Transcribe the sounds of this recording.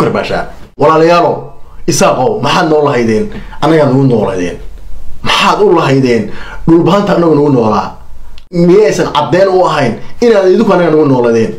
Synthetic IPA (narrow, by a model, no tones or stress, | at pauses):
ɐrba̰ːʃa̰ːwɑlaːlɐjaːlɔɪsaːqɔwmɐħɑːd̪nɔːlɐɦɐjðɛːnʔɐnːɐɣɐaːd̪nʊɣʊnɔːlɐ̰ðɛ̰ːnmɐħaːd̪ʊlɐɦɛjðɛːnɖʊlbɐɦɐnt̪ʰɐːnːɐɣɔnʊɣʊnɔːla̰ː | mɪjɛɛjsɐnʕɑd̪ɛːnʊɐɦɛjnɪnaːðɪðɪ̃ŋkʰʊɐnːɐɣɐnʊɣʊnɔːlɐðɛːn